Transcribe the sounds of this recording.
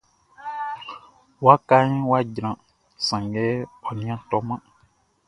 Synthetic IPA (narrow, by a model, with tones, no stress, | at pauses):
wa˦ka˦ɲĩ˦wa˦ɟɾ̃ã˨ | sã˨ŋɡɛ˦ɔ˨nĩ˦ã˦tɔ˨˦mã˦